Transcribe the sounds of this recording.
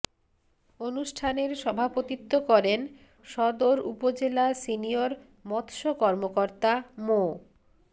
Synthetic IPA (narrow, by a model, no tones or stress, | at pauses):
onuʃʈʰaneɾʃɔbʱapot̪it̪ːokɔɾen | ʃɔd̪oɾupod͡ʑelasinijoɾ | mɔt̪ʃokɔɾmokoɾt̪amo